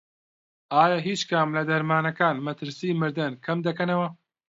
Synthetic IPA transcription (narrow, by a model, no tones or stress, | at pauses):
aːjaːɦiːt͡ʃkʰɐmlɐd̪ɐɾmaːnɐkaːnmɐt̪ɨɾsiːmɨɾd̪ɐnkʰɐmd̪ɐkɐnɐwɐ